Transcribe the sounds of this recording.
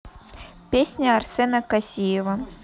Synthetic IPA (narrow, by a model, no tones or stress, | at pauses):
pʲesʲnʲɐarsʲɛnɐkasʲijɛvɐ